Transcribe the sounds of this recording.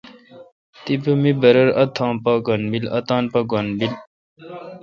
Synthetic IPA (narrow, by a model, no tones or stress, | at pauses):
t̪ipumibɐɾɐɾɐt̪ʰãːpaɡɐnbilɐ̰t̪aːnpɐɡɐnbil